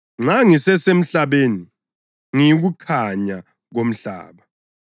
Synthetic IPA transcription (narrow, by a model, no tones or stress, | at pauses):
ŋ͡ǁaŋisɛsem̩ɬaβeːni | ŋiɣukʰaɲa | ɣom̩ɬa̰ːβa